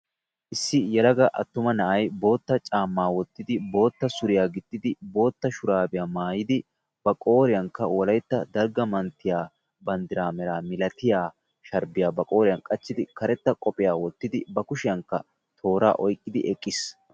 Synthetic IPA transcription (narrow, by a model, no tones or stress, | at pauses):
ʔɪsːɪjɛlɐɡɐʔɐ̰t̪ːʊmɐnɐʔɐjbo̞ːt̪ːɐt͡ʃʼaːmːaːwɔt̪ːɪd̪ɪbo̞ːt̪ːɐsʊɾɪjaːɡɪt̪ʼːɪd̪ɪbo̞ːt̪ːɐʃʊɾaːbɪjaːmaːjɪd̪ɪ | b̥ɐkʼo̞ːɾɪjɐŋkːɐwɔlɐjt̪ːɐd̪ɐɾɡɐmɐnt̪ːɪjaː | bɐnd̪ɪɾaːmɛɾaːmɪlɐt̪ɪjaː | ʃɐɾbɪjaːbɐkʼo̞ːɾɪjɐnkʼɐt͡ʃːɪd̪ɪkɐɾɛt̪ːɐkʼɔpʼɪjaːwɔt̪ːɪd̪ɪbɐkʊʃɪjɐŋkːɐ̰ | t̪ʰo̞ːɾa̰ːʔɔjkʼːɪd̪ɪʔɛkʼːɪs